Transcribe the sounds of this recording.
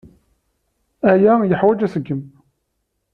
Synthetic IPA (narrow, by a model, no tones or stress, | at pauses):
æjæjəħwæd͡ʒæsəɡːəm